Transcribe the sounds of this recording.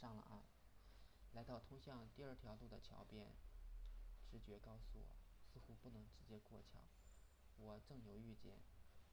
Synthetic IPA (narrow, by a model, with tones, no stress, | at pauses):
ʂɑ˥˩ŋlə̰˩ʔa̰˥˩ | la˧˥ɪt̪ɑ˥˩ʊt̪ʰʊ˥ŋɕjɑ˥˧ŋt̪i˥˧ɐ˞˥˩t̪ʰjɑ˧˥ʊt̪u˥˩d̪ə˩t͡ɕʰjɑ̰˧˥ʊpjɛ˥˩n | ʈ͡ʂɻ̩˧˥t͡ɕɥɛ˧˥kɑ˥ʊsu˥˩wɔ̰˨˩sɹ̩˥˩xu˧˥pu˥˩nɤ˧˥ŋʈ͡ʂɻ̩˧˥t͡ɕjɛ˥kwɔ˥˩t͡ɕʰjɑ̰˧˥ʊ | wɔ˨˩ʈ͡ʂɤ˥˩ŋjo˧˥ʊy˥˩˧t͡ɕjɛ̰˥˩n